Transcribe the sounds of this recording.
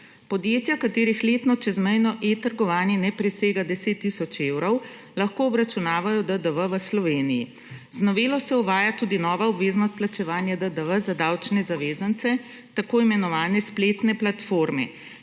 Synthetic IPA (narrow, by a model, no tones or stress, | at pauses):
pɔd̪jeːt̪jakat̪eːɾixleːt̪nɔt͡ʃɛzmɛjnɔʔet̪əɾɡɔʋaːnjɛnɛpɾɛseːɡad̪ɛseːt̪ːisɔt͡ʃewɾɔw | laxkoːbɾat͡ʃunaːʋajɔd̪əd̪əʋəʋəslɔʋeːnijḭ | znɔʋeːlɔsɛuʋaːjat̪uːd̪inɔːʋaɔbʋeːznɔst̪̚plat͡ʃɛʋaːnjad̪əd̪əʋəzad̪awt͡ʃnɛzaʋeːzant̪sɛ | t̪akoːimɛnɔʋaːnɛspleːt̪nɛplat̪foːɾmɛ̰